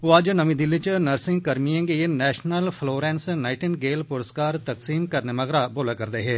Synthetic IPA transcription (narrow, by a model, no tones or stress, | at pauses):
oːɐd͡ʒnəmĩːd̪ɪlːit͡ʃnəɾsɪ̃ŋɡkəɾmiẽːɡinɛːʃnəlpʰloːɾɛ̃ːnsnaːɪʈɪnɡeːlpʊɾəskaːɾt̪əksiːmkəɾneməɣɾaboːlakəɾd̪eːɦeː